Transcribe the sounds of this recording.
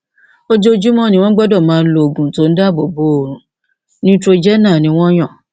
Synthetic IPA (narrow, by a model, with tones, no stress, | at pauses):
o˦d͡ʒo˦d͡ʒu˦mɔ̃˦˨nĩ˧w̃ɔ̃˦ɡ͡bɔ˦dɔ˦˨mãː˨˦˧n̩˦lo˦˨ɡũ˨˦to˨˦n̩˦da˦˨bo˨bo˦o˨ɾũ˨˦ | nĩ˦tɾo˧d͡ʒɛ˦nã˦˨nĩ˧w̃ɔ̃˦j̃ɔ̃˦˨